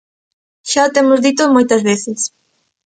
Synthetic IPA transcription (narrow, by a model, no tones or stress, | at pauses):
ʃaot̪emʊzðit̪omojt̪ɐzβeθɪs